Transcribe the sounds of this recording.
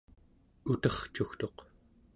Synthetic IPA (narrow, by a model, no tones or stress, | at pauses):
ut̪ʌχt͡ʃuxt̪o̞q